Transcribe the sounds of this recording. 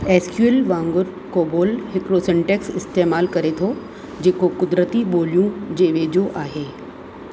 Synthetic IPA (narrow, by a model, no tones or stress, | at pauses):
ɛːskjuelʋãːŋɡʊɾ | koːboːlɦɪkɾoːsə̃ɳʈeksɪst̪eːmaːlkɐɾet̪ʰo | d͡ʑeːkokʊd̪ɾət̪iɓoːljũd͡ʑeːʋeːd͡ʑoʔaːɦeː